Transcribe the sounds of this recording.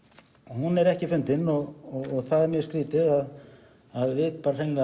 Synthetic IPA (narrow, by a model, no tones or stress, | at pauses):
hunɛɾɛhcɪfʏnt̪ɪnɔɣɣɔɣθaðɛɾmjœːskɾiːt̪ɪɣað | aðvɪðpaːɾar̥ejŋka